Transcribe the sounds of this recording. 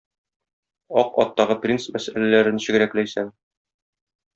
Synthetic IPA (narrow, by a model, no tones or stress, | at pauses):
ɒqɒ̰t̪ːɑʁɤprʲinsmæsælælæɾɘ̆nɕɘ̆ɡɘ̆ɾæklæjsæm